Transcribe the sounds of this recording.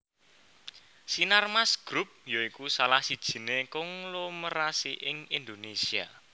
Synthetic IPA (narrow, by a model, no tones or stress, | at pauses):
sinarmasɡ̥ɾup̚joikusalahsid̥ʒ̥i̤nekɔŋloməɾasiʔɪŋind̪onesia̰